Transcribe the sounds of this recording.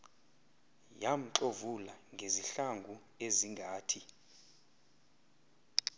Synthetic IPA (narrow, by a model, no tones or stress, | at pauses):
jam̩ǃovulaŋɡʱeziɬaŋɡʱu | eziŋɡʱaːtʰi